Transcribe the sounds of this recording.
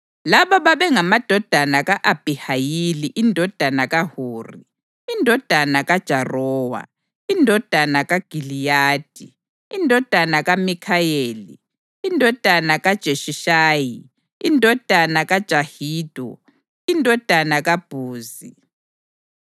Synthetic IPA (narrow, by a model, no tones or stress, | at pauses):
laβaβaβɛŋamad̥ʱɔd̥ʱanaɣaʔab̥ʱihajiliʔindʱɔd̥ʱanaɣahuːri | indʱɔd̥ʱanaɣad̥ʒ̥ʱarɔːwa̰ | indʱɔd̥ʱanaɣaɡ̥ʱilijaːd̥ʱi | indʱɔd̥ʱanaɣamikʰajeːlḭː | ndʱɔd̥ʱanaɣad̥ʒ̥ʱeʃiʃaːji | indʱɔd̥ʱanaɣad̥ʒ̥ʱahiːd̥ʱɔ̰ | indʱɔd̥ʱanaɣab̥ʱuːzi